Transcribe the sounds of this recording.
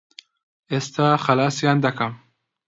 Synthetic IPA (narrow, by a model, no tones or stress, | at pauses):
est̪aχalaːsjand̪akam